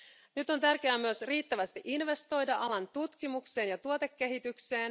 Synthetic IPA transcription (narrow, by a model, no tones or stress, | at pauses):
nyt̪o̞nt̪ærk̟e̞æmyəsriːt̪ːæʋæst̪iʔinʋe̞st̪o̞jdɑʔɑlɑnt̪ut̪kimukse̞ːnjɑt̪uot̪e̞kːe̞ɦit̪ykse̞ːn